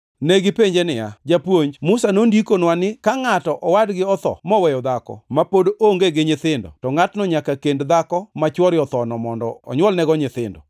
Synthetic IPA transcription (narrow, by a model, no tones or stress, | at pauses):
neɡɪpeɲd͡ʒenɪja̰d͡ʒapwoɲd͡ʒmʊsanondikonwanɪkaŋatɔʔɔwadɡɪɔt̪ɔ̰mɔwɛjɔd̪akɔ̰mapodoŋɡeɡɪɲɪt̪ɪndɔ̰tɔŋatnɔɲakakendd̪akɔmat͡ʃwɔɾɪɔt̪ɔnɔmɔndɔ̰ːɲwɔlnɛɡɔɲɪt̪ɪ̰ndɔ